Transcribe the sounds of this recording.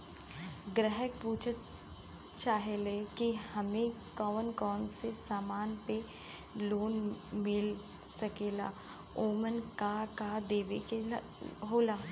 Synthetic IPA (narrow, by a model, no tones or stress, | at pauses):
ɡɾɛɦək̚puːt͡ʃʰət̪̚ | t͡ʃaːɦelekihɐmẽ | kɔːʋənkɔːnsesaːmaːnpe | loːnmɪl | sɐkeːla̰ː | oːmənkakad̪eːʋeke | ɦoːlaː